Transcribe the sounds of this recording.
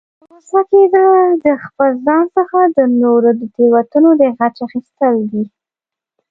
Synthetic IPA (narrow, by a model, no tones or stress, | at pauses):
ɾosaked̪əd̪əxpəlzɑnsəxad̪ənoɾod̪ut̪iwat̪unod̪əɣat͡ʃaxist̪əld̪i